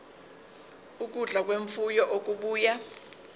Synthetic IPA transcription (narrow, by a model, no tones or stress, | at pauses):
uk̬ʼuɮak̬weɱfujɔʔok̬ʼuɓuːja